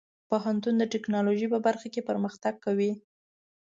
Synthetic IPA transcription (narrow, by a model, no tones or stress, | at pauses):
poɦant̪und̪əʈɪknɑloʒipəbaɾxakepəɾməxt̪aɡ̚kawi